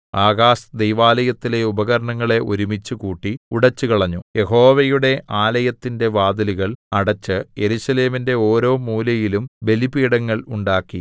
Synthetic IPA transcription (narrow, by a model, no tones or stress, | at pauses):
aːɣaːsd̪ejʋaːlɐjɐt̪ːile̞ubɐɣɐɾɐɳɐŋːɐɭe̞ʔoɾumit͡ɕːukuːʈːiuɽɐt͡ɕːukɐɭɐɲːuje̞ɦo̞ːʋɐjuɽe̞ʔaːlɐjɐt̪ːinde̞ʋaːd̪ɐliɣɐɭɐɽɐt͡ɕːɨje̞ɾusɐle̞ːminde̞o̞ːɾo̞ːmuːlɐjilumbe̞libiːɽɐŋːɐɭuɳɖaːkːi